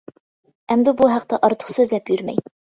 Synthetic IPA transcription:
æmd̪ubulˠɦɑq̚t̪ɑʔɒɾt̪ɤ̥qsɵzlæpjɵɾmæ̰j

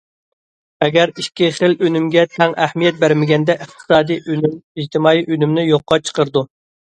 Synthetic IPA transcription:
ɛɡʲæɾiʃkʲiχɪlønymɡʲɛt̪ʰɛŋæhmijɛt̪̚bæɾmɪɡʲɛnd̪ɛʔəχt̪ʰɨ̥sɑːd̪iʔynmid͡ʒt̪ʰɪmɑːiʔønymnɪjoqːɑt͡ʃʰə̥qʰəɾd̪u

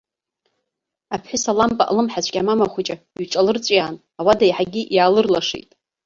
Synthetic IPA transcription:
apʰħʷᶣʊsalampʼa̰ʔlɨmħat͡ɕʷʼkʲʼamamaχʷʊt͡ʃʼa | ɥʈ͡ʂʼalɨrt͡sʷʼjaːn | awadajħaɡʲiʔjaːlɨrlaʂḭtʼ

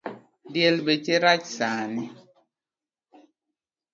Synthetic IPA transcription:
djɛlbet͡ʃeɾac̚saːni

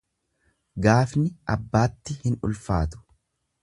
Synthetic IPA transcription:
ɡaːfnɪʔɐbːaːt̪ːɪhɪnʊ̰lfaːt̪ʊ̥

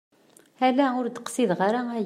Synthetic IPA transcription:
ælæʊɾd̪əqsiðʁaɾaæ

